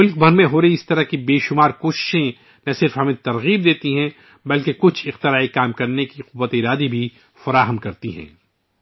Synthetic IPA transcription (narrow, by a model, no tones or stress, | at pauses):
mʊlk̚bʱɐɾmẽɦoːɾɐiɪst̪ɐɾɐɦkibeːʃʊmaːɾkoːʃɪ̥ʃẽ | nɐsɪɾfɦɐmẽt̪ɐɾɣiːb̚d̪eːt̪iɦɛ̃ | bɐlkekʊt͡ʃʰɪqt̪ɪɾaːikaːmkɐɾnekiqʊwːət̪eɪɾaːd̪ibʱi | fɐɾaːɦəmkɐɾt̪iɦɛ̰̃ː